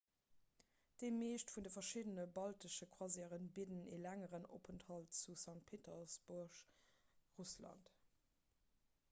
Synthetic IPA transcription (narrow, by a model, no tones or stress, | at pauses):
d̥emeːʃtfundəfɐʃidənəbɑltəʃəkʰwɑziːʁənbidənḛlæŋəʁəno̰pʰənthɑltt͡susɑŋt̚pʰeːtʰəsb̥uɐʃ | ʁuslɑ̰nt